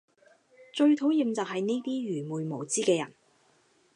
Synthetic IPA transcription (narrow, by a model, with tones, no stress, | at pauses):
t͡ʃɵ˧ɥt̪ʰo˨˥wjiː˨˧mt͡sɐː˨k̚hɐ˨jne˥jt̪iː˥ɥyː˨˩muː˨˧jmo˨˩wt͡siː˥kɛː˧jɐ̰˨˩n